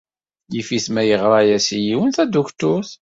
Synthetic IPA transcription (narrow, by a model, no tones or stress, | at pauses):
jifiθmæjəʁɾˤɑjæsijiwənθæd̪ukt̪ʊθ